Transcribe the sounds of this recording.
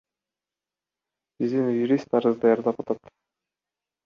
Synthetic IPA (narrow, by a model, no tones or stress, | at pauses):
bizd̪injuɾist̪ɑɾəzd̪ɑjɑɾd̪ɑpɑt̪ɑt̪